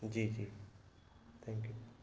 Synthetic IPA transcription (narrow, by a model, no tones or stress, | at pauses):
d͡ʒiːd͡ʒiː | t̪ʰɛ̃ŋkju